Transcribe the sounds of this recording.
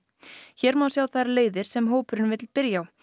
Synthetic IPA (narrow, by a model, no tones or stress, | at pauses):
çɛɾmawsjaːwθajɾaleːjðɪɾ̥sɛmɦoːwpʏɾɪnvɪt̪lpɪɾjaw